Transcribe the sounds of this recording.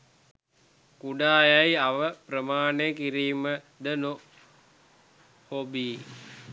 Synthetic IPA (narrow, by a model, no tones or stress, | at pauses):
kuɖaːjajaʋəprəmaːnejəkiɾiːmə | d̪əno | hobiː